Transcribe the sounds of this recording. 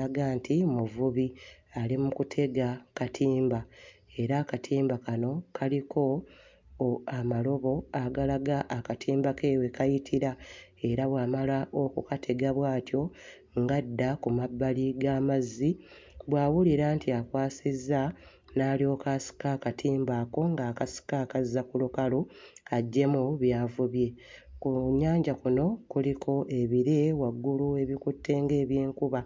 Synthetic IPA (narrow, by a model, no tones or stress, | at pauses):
aɡaːntʰimuvuβi | alimukutʰe̞ɡakatʰiːmbae̞ɾaːkatʰiːmbakano̞kʰalikʰo̞ | amalo̞βo̞aɡalaɡaʔːkatʰiːmbake̞we̞kajitʰiɾae̞ɾaβwaːmalaʔo̞kukatʰe̞ɡaβwaːtjo̞ | ŋɡadːakumabːaliɡaːmazːi | βwaːwuliɾaːntiakwaːsizːa | naːlio̞ːkaːsi̥kakatʰiːmbako̞ŋɡaːkasi̥kaːkazakulukaloaɟːe̞muβjaːvuβje̞ | kuɲːaːɲɟakuno̞kulikʰo̞ʔe̞βiɾe̞waɡːulue̞βikutːe̞ːŋɡe̞ːβjeːŋkuβa